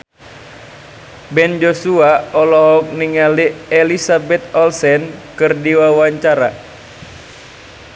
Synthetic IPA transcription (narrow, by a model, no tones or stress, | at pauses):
bɛnd͡ʒosuaɔlɔɦɔk̚niŋalielisabɛt̪ɔlsɛnkɨrdiwawaɲt͡ʃaɾa